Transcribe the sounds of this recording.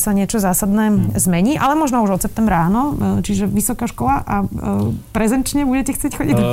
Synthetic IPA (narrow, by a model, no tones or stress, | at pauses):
saɲɪɛt͡ʃɔzaːsad̪nɛːzmɛɲiːʔalɛmɔʒnɔuʒɔt̪sɛpt̪ɛmbɾaːnɔt͡ʃiʒɛʋisɔkaːʃkɔlaʔa | pɾɛzɛnt͡ʃɲɛbuɟɛcɛxt͡sɪɛcxɔɟid̪